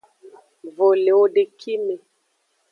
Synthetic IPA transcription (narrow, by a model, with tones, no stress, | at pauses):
vo˨le˨o˦ɖe˨kʰi˦me˨